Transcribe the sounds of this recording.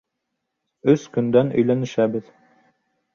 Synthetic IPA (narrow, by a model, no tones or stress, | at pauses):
ɵskɵ̆nd̪ænɵ̰̆jlænɘ̆ʃæbɘð